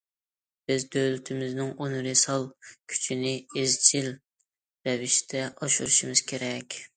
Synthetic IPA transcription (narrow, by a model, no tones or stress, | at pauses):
b̥ɪzd̪ølyt̪ʰɪmɪznɪŋonɾɨsɑlˠkʲʰy̥t͡ʃʰinɪezt͡ʃʰil | ɾɛvɪʃt̪ʰɛʔɑʃuɾuʃimɪz̥kʲʰeɾɛkʲ